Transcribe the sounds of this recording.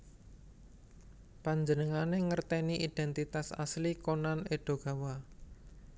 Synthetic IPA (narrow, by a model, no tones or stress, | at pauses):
paɲd͡ʒənəŋaneŋərt̪ɛniʔid̪̥ɛnt̪it̪asa̰slikonaneɖ̥o̤ɡ̥a̤wa